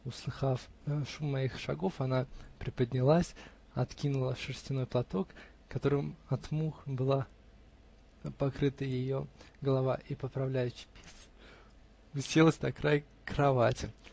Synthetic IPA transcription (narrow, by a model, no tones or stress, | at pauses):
ʊslˠɨxafʂumːɐixʂɐɡo̞fɐnapɾʲɪpəd̪ʲnʲɪlˠasʲ | ɐt̪kʲinʊlˠəʂɨrsʲtʲɪno̞jplˠɐt̪o̞k | kːɐt̪o̞ɾɨmɐt̪muxbɨlˠa | pɐkɾɨt̪əjɪjo̞ | ɡəlˠɐvaʔipəpɾɐvlʲæjʉɕːɪ̥pʲes | ʊsʲelˠəsʲt̪ɐkɾaj | kɾɐvatʲɪ